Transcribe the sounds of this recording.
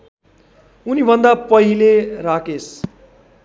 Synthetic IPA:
unibʱʌnd̪apʌɦileɾakes

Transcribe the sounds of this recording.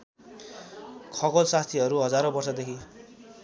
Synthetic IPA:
kʰʌɡolsast̪ʰiʌɾuɦʌd͡zaɾõbʌrsʌd̪ekʰi

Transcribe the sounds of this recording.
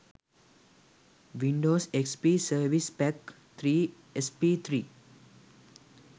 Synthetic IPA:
ʋiɳɖoːsekspisəɾʋispɛk | t̪ʰɾiː | espit̪ʰɾiː

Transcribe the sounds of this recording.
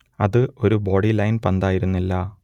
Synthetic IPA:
ɐ̰ðɨo̞ɾubo̞ːɽilɐjnpɐnd̪aːjiɾunːilːɐ

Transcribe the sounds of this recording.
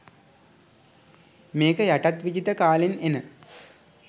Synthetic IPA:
meːkəjaʈat̪ʋid͡ʑit̪əkaːlinenə

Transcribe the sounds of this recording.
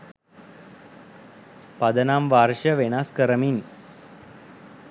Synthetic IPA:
pɐd̪ɐnaːmʋaːɾʃɐʋenaskəɾəmin

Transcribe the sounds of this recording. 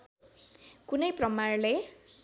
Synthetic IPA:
kunʌjprʌmarle

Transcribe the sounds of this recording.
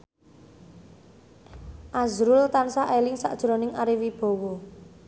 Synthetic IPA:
ʔazɾʊlt̪ansaʔelɪŋsa̰ʔd̥ʒ̥ɾonɪŋaɾiwib̥o̤wɔ

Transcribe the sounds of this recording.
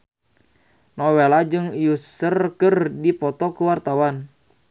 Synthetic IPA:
nɔwelad͡ʒɨŋjusərkərdipɔt̪ɔkuwart̪awan

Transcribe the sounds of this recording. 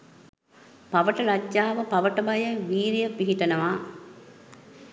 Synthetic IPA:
paʋəʈəlad͡ʒːaːʋəpaʋəʈəbajəʋiːɾijəpiɦiʈənəʋaː

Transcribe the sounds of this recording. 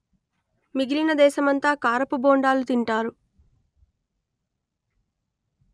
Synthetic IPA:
miɡiɾinɐd̪ɛːʃɐmɐnt̪aːkaːɾɐpuboːɳɖaːlut̪iɳʈaːɾu

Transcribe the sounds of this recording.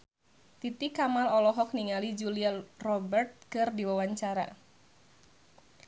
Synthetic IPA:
t̪it̪ikːamalɔlɔɦɔk̚niŋalid͡ʒuliarɔbɛrt̪̚kɨrdiwawaɲt͡ʃaɾa̰

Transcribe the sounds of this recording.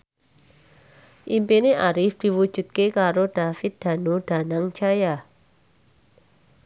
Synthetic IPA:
ʔimpineʔaɾɪfd̪̥i̤wud̥ʒ̥ṳt̪̚kekaɾoɖ̪̥a̤fɪt̪̚d̪̥a̤nod̪̥a̤naŋt͡ʃaja

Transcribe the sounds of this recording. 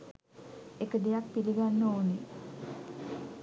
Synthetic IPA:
ekəd̪ejak̚piliɡanːəoːne

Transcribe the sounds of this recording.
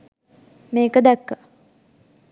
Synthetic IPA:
meːkəd̪ækːə

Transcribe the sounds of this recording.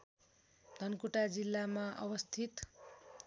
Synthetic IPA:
d̪ʱʌnkuʈad͡zilːamaʔʌbʌst̪ʰit̪

